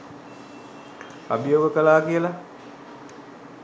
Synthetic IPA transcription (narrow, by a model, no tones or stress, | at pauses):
a̰bijoːɡəkəlaːkijəla